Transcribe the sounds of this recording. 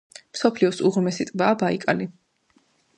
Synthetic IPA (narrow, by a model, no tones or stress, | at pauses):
msɔpʰliɔsuʁɾmɛsit̪ʼbaːbaikʼali